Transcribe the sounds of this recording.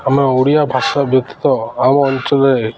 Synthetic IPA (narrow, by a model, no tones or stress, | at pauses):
ameowɽijabʱasabjɔk̚t̪i̥t̪ɔamɔnt͡ʃɔle